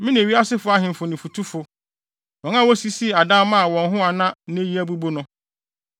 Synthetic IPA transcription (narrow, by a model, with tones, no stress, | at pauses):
mɪ̃˦nĩ˨e˨ɥi˦a˦sɪ˦fʊ˨˦a˦ɦɪ̃˨m̩˨fʊ˨nɪ̃˨fu˨tʰu˦fʊ˨ | wɔ̃˨ŋ˦ã˦wɔ˦si˦si˦˨a˨dã˦mã˦a˨wɔ̃˨nɦʊ̃˦a˨nã˦e˦ji˦æ˦bu˦bo˦nʊ̃˦